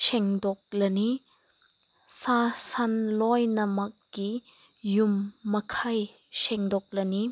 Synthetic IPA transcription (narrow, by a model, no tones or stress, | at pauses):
sɛŋdɔk̚lɐni | sasanlɔjnɐmɐk̚ːi | jumːɐkʰaj | sɛŋdɔk̚lɐni